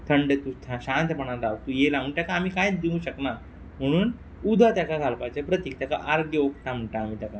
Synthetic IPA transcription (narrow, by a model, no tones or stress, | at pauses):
t̪ʰəɳɖet̪ut̪ʰaɕãnt̪pəɳ̃ãlaʋkt̪ujelamunt̪jakaːmiːkajt͡sd̪iũɕəkna | m̤əɽ̃uːn | ud̪ʱət̪jakad͡zʱalpajt͡ɕepɾət̪iːk̚t̪jaka̰ʔaɾɡjəokʈ̪am̤əɳʈaːm̤iːt̪jaka